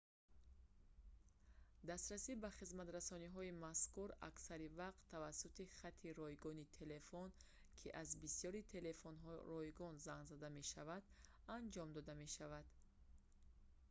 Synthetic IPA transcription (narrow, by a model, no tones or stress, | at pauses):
d̪ast̪ɾasibaχizmat̪ɾasɔniɦɔimaskuɾa̰ksaɾivaqt̪ʰːavasːut̪iχat̪ʰːiɾɔjɡɔnit̪ʰe̞le̞fɔn | kʰiʔazbisiɔɾit̪ʰe̞le̞fɔnɦɔrɔjɡɔnzaŋɡzad̪ame̞ʃavad̪ | and͡ʒɔmd̪ɔd̪ame̞ʃavad̪̥